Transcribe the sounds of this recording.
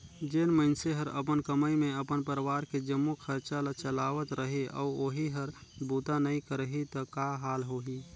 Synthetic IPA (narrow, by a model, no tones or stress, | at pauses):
d͡ʒeːnməɪnseɦəɾə̰p̬ənkəməjmẽəpənpəɾwaːɾked͡ʒəmːokʰəɾt͡ʃalat͡ʃəlaːʋət̪ɾəɦeʔɔ̰ːoːɦiɦəɾbuːt̪anəĩkəɾəɦit̪ɔkaɦaːlɦoːɦi